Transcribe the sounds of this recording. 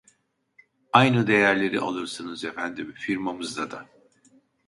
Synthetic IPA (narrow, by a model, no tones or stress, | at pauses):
ajnɯd̪e̞jæɾlʲe̞ɾiʔa̰lˠɯɾsɯnɯzefænd̪imfiɾmamɯzd̪ad̪a